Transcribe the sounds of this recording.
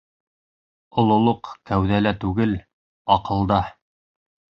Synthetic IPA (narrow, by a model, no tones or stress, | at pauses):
ŏlˠŏlˠoqkæwðælæt̪ʉɡɘl | ɑqɤ̆lˠd̪ɑ